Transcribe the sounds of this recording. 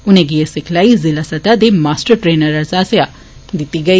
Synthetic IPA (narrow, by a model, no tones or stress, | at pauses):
ʊneɡijesɪkʰlaizilasɐt̪ad̪emaːsʈəɾʈɾeːnɐɾazaːsja | d̪it̪iɡɐi